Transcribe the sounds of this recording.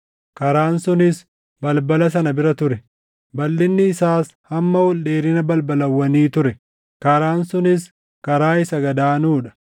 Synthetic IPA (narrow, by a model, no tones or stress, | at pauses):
kɐɾaːnsʊnɪs | bɐlbɐlɐs̬ɐnɐbɪɾɐt̪ʊɾɛ | bɐlːɪnːɪːsaːs | hɐmːɐwɔlɗeːɾɪnɐbɐlbɐlɐwːɐniːt̪ʊɾɛ | kɐɾaːnsʊnɪs | kɐɾaːɪsɐɡɐd̪aːnuːᶑɐ̥